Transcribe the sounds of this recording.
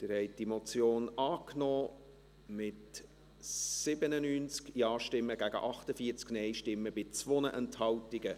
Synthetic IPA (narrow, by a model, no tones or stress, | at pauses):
t̪ɪɾhɛɪt̚d̥imot͡sjoːnɑːknɔː | mɪt | sɪbənənyːnt͡skjɑːʃtɪmːəɡæɡə̰ʔɑχtəfiːəɾt͡sknɛɪʃtɪmːəbɪt͡sʋonəʔɛnthɑwtɪɡə